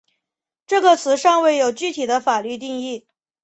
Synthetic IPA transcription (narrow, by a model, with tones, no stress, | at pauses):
ʈ͡ʂɤ˥˩ɡə˩t͡sʰɹ̩˧˥ʂɑ˥˧ŋwe˥˩ɪjo˨˩ʊt͡ɕy˥˩t̪ʰi˨˩d̪ə˦fa˨˩ly˥˧t̪̬i˥˧ŋi˥˩